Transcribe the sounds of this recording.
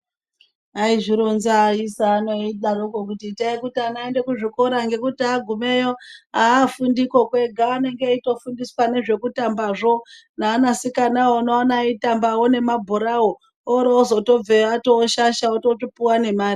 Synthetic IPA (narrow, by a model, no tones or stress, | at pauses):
aiʐiɾonzaisaːnoiɗaɾukok̬utitaikutianaende̞kuʐiko̞ɾaŋɡe̞kutiaɡʱume̞jo̞aːfundiko̞kwe̞ɡʱaʋane̞ŋɡeito̞fundiswane̞ʐe̞kutambaʐo̞ | naːnasikanawonoanaitambawone̞mabʱoɾawo | oɾeozo̞to̞b͡veatoʃaʃaototopuwane̞maːɾri